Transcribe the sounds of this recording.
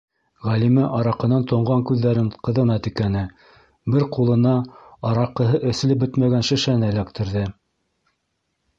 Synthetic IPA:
ʁælimæʔɑɾɑqɤ̆nɑnt̪ŏɴʁɑŋkʉðːæɾɘɴqɤ̆ðɤ̆nɑt̪ikænɘ | bɘɾqulˠɤ̆nɑɑɾɑqːɤ̆ɦɤʔɵ̆sɘ̆lɘp̚bɵt̪mæɡænʃɘ̆ʃænælækt̪ɘ̆ɾðɘ

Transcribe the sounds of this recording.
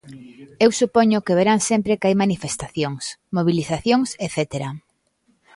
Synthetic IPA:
ewsupɔɲʊkeβ̞eɾaŋsempɾekajmanifest̪aθjoŋsmoβ̞iliθaθjoŋseθet̪eɾa

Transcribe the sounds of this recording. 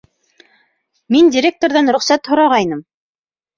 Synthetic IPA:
mindʲɪɾʲek̚t̪oɾðɑnɾɵ̆χsæt̪hŏɾɑʁɑjnɤm

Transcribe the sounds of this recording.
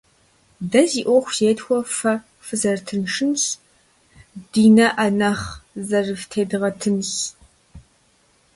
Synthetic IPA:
dɐziːʔʷɔxʷzeːtxʷɔfɐ | fɨzɐrtʰɨnʂɨns | d̥iːnɐʔɐnɐχzɐrɨftʰeːdɨʁɐtʰɨns

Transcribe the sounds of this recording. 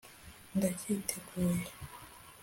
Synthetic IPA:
ndacʰitʰeɡuːle

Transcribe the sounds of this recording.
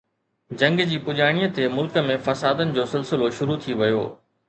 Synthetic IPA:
d͡ʑɐ̃ŋɡd͡ʑiːpʊʄaːɽ̃iːət̪ʰemʊlkə̆mẽfɐsaːd̪ənɪ̆d͡ʑoːsɪlsɪloʃʊɾut̪ʰiʋɐjo̰ː

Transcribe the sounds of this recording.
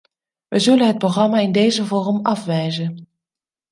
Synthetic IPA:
ʋʔəzɵlənɦət̚proχrɑmaːɪndejzəvɔːrəmɑfʋɛjzən

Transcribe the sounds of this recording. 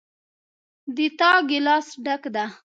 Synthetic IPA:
d̪it̪ɑɡɪlɑsɖakd̪a

